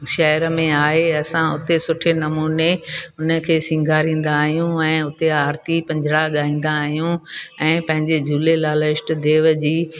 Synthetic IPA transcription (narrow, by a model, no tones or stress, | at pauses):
ʃɐɦɾəmẽaːɦeɐsãʊt̪esʊʈʰenɐmuːneʊnə̆kʰeːsɪ̃ŋɡʱaːɾĩːn̆d̪aːɦijũɛ̃ːʊt̪eaːɾt̪ipɐ̃ɲd͡ʑʱɪɽaɠaːĩːn̆d̪aːɦijũɛ̃ːpɐ̃ɦɪ̃ɲd͡ʑed͡ʑuːlelaːləɪʃʈd̪eːʋəd͡ʑiː